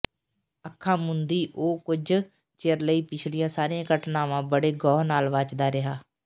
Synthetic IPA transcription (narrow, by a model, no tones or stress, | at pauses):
əkʰːãːmʊnd̪iːʔoːkʊd͡ʒ | t͡ʃeɾləiːpɪt͡ʃʰlɪjãːsaːɾiãːkəʈnãːʋãːbəɽeːɡɔːɦnaːlʋaːt͡ʃd̪aːɾɪɦaː